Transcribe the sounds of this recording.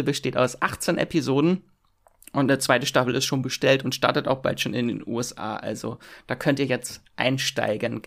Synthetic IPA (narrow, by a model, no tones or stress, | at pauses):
lbəʃteːtaʊsʔaχt͡senʔɛ̰pizoːdn̩ | ʔʊntnət͡sv̥aɪtəʃtafl̩ɪ̰stʃoːnbəʃtɛltʊntʃtaɐtəta̰ʊxb̥a̰ltʃoːnɪndḛːnʔṵɛsʔa̰ːʔa̰lzo̰d̥aːkʰœntiːɐjɛt͡stʔaɪnʃta̰ɪɡən